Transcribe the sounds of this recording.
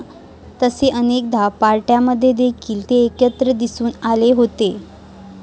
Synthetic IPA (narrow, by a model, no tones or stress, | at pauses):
t̪əseʔənek̚d̪ʱapaɾʈjaməd̪ʱːjed̪ʱːekʰiːlt̪eːkjət̪ɾəd̪isuːnaleɦot̪e